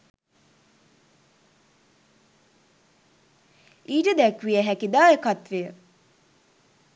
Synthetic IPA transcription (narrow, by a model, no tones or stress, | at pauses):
iːʈəd̪ækʋijəɦækid̪aːjəkat̪ʋejə